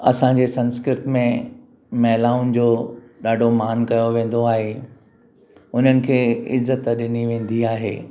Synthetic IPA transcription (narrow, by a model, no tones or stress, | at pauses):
ɐ̰sãɲd͡ʑeːsɐ̃nskɾɪt̪mẽ | mɛɦlaːʊnɪ̆d͡ʑoː | ɗaːɖʱomaːnkɐjoʋẽːn̆d̪oaːɦe | ʊn̤ənɪ̆kʰeːɪzːət̪ɗɪniʋẽːnd̪iaːɦḛː